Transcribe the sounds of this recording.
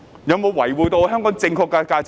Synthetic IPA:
jɐ˨˧wmo˨˧wwɐ˨˩jwuː˨jt̪o˧wɦœː˥ŋkɔː˨˥ŋt͡sɪ˧ŋkʰɔː˧kːa˧kaː˧t͡s

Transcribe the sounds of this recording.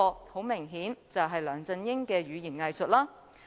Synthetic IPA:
ho˨˥wmɪ˨˩ŋɦiː˨˥nt͡sɐ˨wɦɐ˨jlœː˨˧ŋt͡sɐ˧njɪ˥ŋkɛː˧ɥyː˨˧jiː˨˩nŋɐ˧jsɵ˨t̚laː˥

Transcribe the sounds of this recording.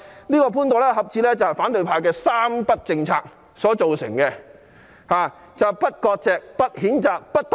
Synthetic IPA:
niː˥kɔː˧pʰuː˥nt̪o˨˩lɛː˥ɦɐ˨p̚t͡siː˧lɛː˥t͡sɐ˨whɛ˨jfaː˨˥nt̪ɵ˨˧ɥpʰaː˧jkɛː˧saː˥mpɐ˥t̚t͡sɪ˧ŋt͡sʰa̰ː˧k̚ | sɔː˨˥t͡so˨wsɪ̰˨˩ŋkɛː˧ | haː˨ | t͡sɐ˨˩wpɐ˥t̚kɔː˧k̚t͡sɛː˨k̚pɐ˥t̚hiː˨˥nt͡saː˨k̚pɐ˥t̚t̪

